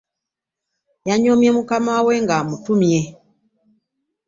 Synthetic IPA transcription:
jaɲɔmjɛmukamawwɛŋɡamutumjɛ

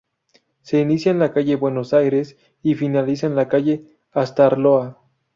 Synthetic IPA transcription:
se̞inisjanlakaʝe̞bwe̞no̞sajɾe̞s | ifinalis̬aenlakaʝe̞ | ast̪aɾloa

